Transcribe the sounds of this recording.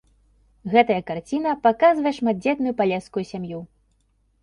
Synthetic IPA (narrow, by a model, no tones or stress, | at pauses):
ɣɛt̪ɐjɐkart͡sʲinɐpakazvɐjɛʂmad̪̚d͡zʲɛt̪nujupalʲɛskujusʲamju